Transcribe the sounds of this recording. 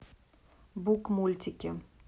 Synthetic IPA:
bukmulʲt̪ʲikʲɪ

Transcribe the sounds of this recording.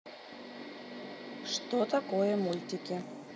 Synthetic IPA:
ʂt̪ot̪akojəmulʲt̪ʲikʲe

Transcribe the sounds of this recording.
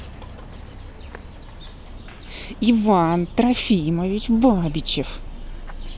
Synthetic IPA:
ɪvant̪ɾɐfʲiməvʲɪt͡ɕbabʲɪt͡ɕɪf

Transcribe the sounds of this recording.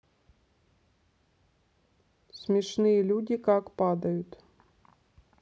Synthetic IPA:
smʲɛʂnɨjɛlʲudʲikakpad̪ɐjʊt̪

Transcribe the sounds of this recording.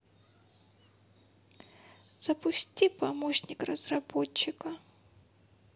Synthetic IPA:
z̥ɐpʊsʲtʲipɐmoɕnʲɪkrəz̥rɐbot͡ɕːɪkə

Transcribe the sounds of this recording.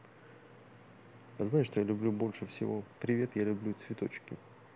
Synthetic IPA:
aznaɪʂt̪o̞jalʲʊblʲubo̞lʲʂɨfsʲɪ̰vo̞pɾʲɪvʲe̞t̪jalʲʊblʲut̪svʲɪt̪o̞t͡ɕkʲɪ

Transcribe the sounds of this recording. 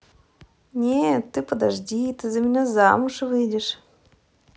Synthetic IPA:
nʲet̪ːɨpəd̪aʐdʲit̪ɨzəmʲɪnʲaza̰mʊʂɨvɨdʲɪʂ

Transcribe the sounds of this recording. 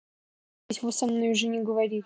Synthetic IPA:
tʲvosɐmnojʊʐɨnʲɪɡəvɐɾʲi

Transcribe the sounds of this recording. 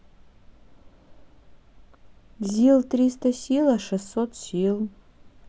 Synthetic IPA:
zilˠtrʲistʰɐsʲilaʂɛsːotʰsʲilˠ

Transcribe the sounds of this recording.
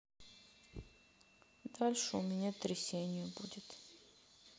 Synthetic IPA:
d̪alʲʂɨʊmʲɪnʲat̪ɾʲɪsʲenʲɪjəbudʲɪt̪

